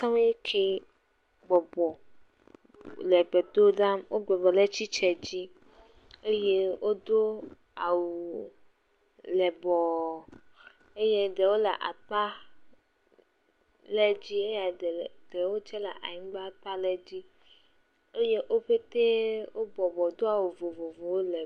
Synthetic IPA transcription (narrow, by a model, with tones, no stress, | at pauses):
sã˦m˦je˦kʰe˦ | ɡ͡bɔ˨bɔ˨ | lɛ˨ɡ͡bɛ˨d̪o˦ɖa˦mwo˦ɡ͡bɛ˨bɔ˨lɛ˦t͡ɕi˦t͡ʃɛ˨d͡ʑi˦ | e˦je˦wo˦d̪o˦ | a˨wu˨ | lɛ˨bɔ˨ | e˦je˦ɖɛ˨wo˦lɛ̰˨ʔa̰˨k͡pa˦ | lɛ˦d͡ʑi˦e˦ja˨d̪ɛ˨wo˦t͡ʃɛ˦la̰˨ʔa̰˨ɲĩ˦ɡ͡ba˦k͡pa˦lɛ˦d͡ʑi˦ | e˦je˦ʔo˦ɸe˦t̪e˦wo˦bɔ˨bɔ˨d̪o˦a˨wu˨vo˨vo˨vo˨wo˦lɛ˨